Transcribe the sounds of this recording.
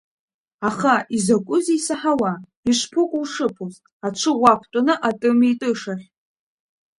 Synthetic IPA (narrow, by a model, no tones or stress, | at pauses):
aχaʔizakʷʼʊzisaħawa | iʃʷpʰɨkʷʼuwʂɨpʰoztʼat͡ʃʷʰɨʁʷapʷʰtʼanɨʔatʼɨmitʼɨʂaχʲʼ